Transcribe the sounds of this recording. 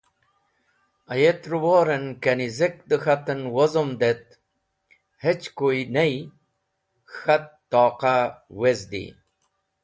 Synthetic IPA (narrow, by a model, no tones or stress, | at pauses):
ɐjet̪ɾuwoːɾenkenizek̚d̪əxɐt̪ənwozomd̪et̪̚ | het͡ɕkoinej | xɐt̪ːɔːqawezd̪ḭ